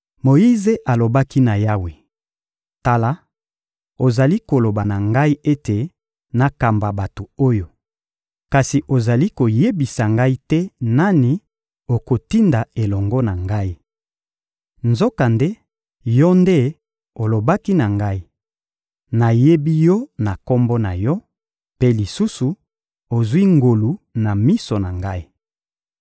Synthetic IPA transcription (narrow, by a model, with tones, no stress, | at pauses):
mo˨ji˦ze˦ʔa˨lo˨ba˦ki˦na˨ja˦we˨ | ta˨la˦ | o˨za˨li˦ko˨lo˨ba˨na˨ŋɡa˦i˦e˦te˨ | na˨ka˨mba˨ba˨to˨o˦jo˨ | ka˨si˨ʔo˨za˨li˦ko˨je˦bi˨sa˨ŋɡa˦i˦tɛ˦na˦ni˨ | o˨ko˨ti˦nda˨e˨lɔ˨ŋɡɔ˦na˨ŋɡa˦i˦ | nzo˦ka˨nde˦ | jɔ˦nde˦ | o˨lo˨ba˦ki˦na˨ŋɡa˦i˦ | na˨je˦bi˦jɔ˦na˨kɔ˦mbɔ˦na˨jɔ˦ | pe˦li˨su˦su˨ | o˨zwi˦ŋɡo˨lu˨na˨mi˦so˨na˨ŋɡa˦i˦